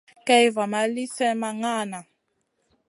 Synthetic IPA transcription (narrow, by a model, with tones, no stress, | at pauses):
kɛ˦jva˨ma˨li˦sɛ˦ma˨ŋaː˦˨na˨